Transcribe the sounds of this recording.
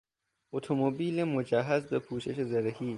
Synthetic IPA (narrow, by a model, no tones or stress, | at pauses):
ot̪ʰomobiːlemod͡ʒæɦæzbepʰuːʃeʃezæɾehiː